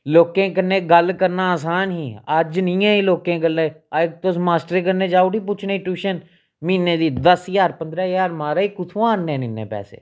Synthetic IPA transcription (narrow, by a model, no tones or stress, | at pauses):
loːkẽːkəɾnẽːɡəlkəɾnaːaːsaːnɦiːəd͡ʒnĩːãːiːloːkẽːɡəleːak̚t̪osmaːsʈəɾeːkəɾnẽːd͡ʒaːoːʈiːp̬ʊːt͡ʃʰnaːiːʈuːʃən | miːnẽːd̪iːd̪əsjaːɾpənd̪ɾaːjaːɾmaːɾaːiːkʊt̪ʰũːaːnːẽːniːnːḛːpɛ̰ːsḛː